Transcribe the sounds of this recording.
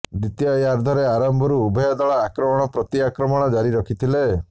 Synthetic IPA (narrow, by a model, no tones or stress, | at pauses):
d̪it̪jajaɾd̪ʱɔɾeaɾɔmbʱɔɾuːbʱɔjɔd̪ɔɭaːkɾɔmɔɽ̃ɔpɾɔt̪iakɾɔmɔɽ̃ɔd͡ʒaɾiɾɔkʰit̪ʰile